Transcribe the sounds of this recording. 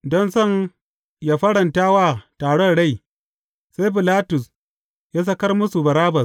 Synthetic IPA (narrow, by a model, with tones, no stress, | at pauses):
dɔ˦nsɔ˦˨n | jaː˨ɸɐ˦ɽɐ˨nta˦wa˦˨taː˨ɽɔ˦nɽa˦˨j | sa˦jɸ̬i˨laː˦tʊ˨s | jaː˦s̬ɐ˦kɐ˦rmʊ˦su˨bɐ˨ɾaː˦bɐ˨s